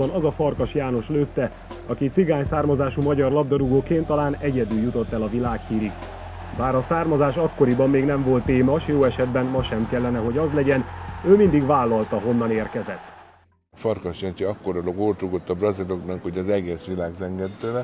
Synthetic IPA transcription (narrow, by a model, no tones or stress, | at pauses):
ɒnɒzɒfɒrkɒʃjaːno̞ʃløːt̪ːɛ | ɒkit̪siɡaːɲsaːrmɒzaːʃumɒɟɒrlɒb̚d̪ɒɾuɡoːkeːnt̪ːɒlaːnɛɟɛd̪yljut̪o̞t̪ːɛlɒvilaːkhiːɾiɡ | baːɾɒsaːrmɒzaːʃɒkːo̞ɾibɒmːeːɡnɛɱvo̞lt̪ːeːmɒʃjoːɛʃɛd̪bɛnmɒʃɛmkɛlːɛnɛɦo̞ɟɒzlɛɟɛnøːmind̪iɡvaːlːɒlt̪ɒɦo̞nːɒneːrkɛzɛt̪ː | fɒrkɒʃjɛnt͡ʃiɒkːoɾɔloɡoːrt̪uɡot̪ːɒbrɒziloknɑkhoɟɒzɛɡeːsʋilaːɡzɛŋɡɛnt̪øːlɛ